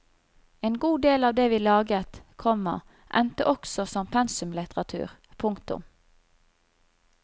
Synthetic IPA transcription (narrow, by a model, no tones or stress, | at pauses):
eːnɡuːd̪eːlɑːʋd̪eːʋiːlɑːɡət̪kʰɔmə̰ | ʔɛ̰nt̪əʔɔksɔsɔmpʰɛnsʉmlɪt̪əʁɑt̪ʰʉ̰ːʁ | pʰʊŋkt̪ʊ̰m